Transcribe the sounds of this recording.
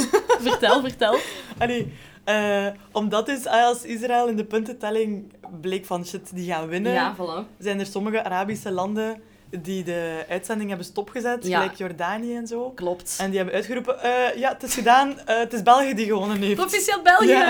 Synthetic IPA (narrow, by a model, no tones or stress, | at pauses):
vətɛlˠvərtɛlˠɑleː | əːɔmdɑtɪsɛɑlˠsɪs̬raɪːlˠɪndəpɵntətɛlɪŋbleːkfɑnʃɪtdiɣaːnəʋɪnəjavlzɛːnərsɔməɣəʔaɾaːbisəlɑndən | didəœːtsɛndɪŋɦɛbənstɔpxəzɛtjlɛjkjɔrdaːnijəɛnzoːklɔptɛndiɦɛbənœɥtxəɾuːpəʔəːjaːtɪsxədaːnətɪzbɛlˠɣijədiɣəʋonənɦeːfpotfiseːlˠbɛlˠɣjaə